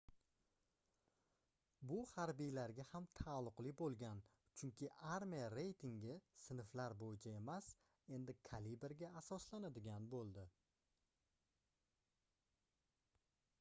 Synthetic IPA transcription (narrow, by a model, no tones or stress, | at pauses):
bʊhaɾbijlaɾɡʲahamt̪ʰalˠːʊqlˠɪbolˠɡʲan | t͡ʃʰʊŋkʲʰɪʔaɾmijaɾe̞jt̪ʰɪŋɡʲɪsɪnɪflaɾbojɪt͡ʃʰae̞mas | e̞nd̪ɪkʰalibeɾɡʲaːsɒslanad̪ɪɡʲanbolˠd̪ɪ